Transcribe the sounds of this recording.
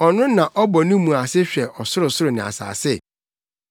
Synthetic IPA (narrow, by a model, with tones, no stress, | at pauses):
ɔ˨nʊ̃˦nã˨ʔɔ˦bɔ˨nʊ̃˦mũ˨a˨sɪ˦ɕᶣɛ˨ʔɔ˨sʊ˦ɾʊ˨sʊ˦ɾʊ˨nɪ̃˨a̰˨sa̰ː˨sɪ˦˨